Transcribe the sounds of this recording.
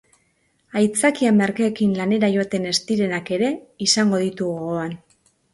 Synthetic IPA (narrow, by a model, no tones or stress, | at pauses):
ajt͡sakiameɾkaːkinlane̞ɾaʝo̞t̪e̞ne̞st̪iɾe̞nake̞ɾe̞isaŋɡo̞ðit̪uɣoɣoan